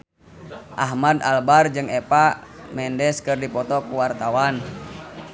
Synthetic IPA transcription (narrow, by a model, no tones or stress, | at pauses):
ʔaɦmad̪albard͡ʒɨŋɛpamɛndɛskɨrdipɔt̪ɔkuwart̪awan